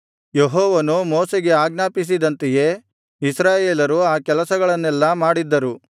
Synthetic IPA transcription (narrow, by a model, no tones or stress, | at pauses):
jeɦɔːʋɐnumɔːseɡe̞aːɡnaːpis̬id̪ɐnt̪eje̞ | isɾaːjeːlɐɾuaːkɛlɐsɐɡɐɭɐnːɛlːɐmaːɽid̪ːɐɾu